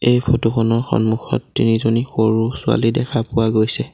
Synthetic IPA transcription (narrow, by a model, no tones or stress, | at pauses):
ejpʰotuxɔnɔɹxɔ̰nmuxʰɔ̰tːinizonixoɹusʊa̰lidɛkʰapʊwaɡojsɛ